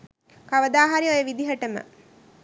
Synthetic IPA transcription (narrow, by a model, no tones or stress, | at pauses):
kaʋəd̪aːɦaɾiojəʋid̪iɦəʈəmə̰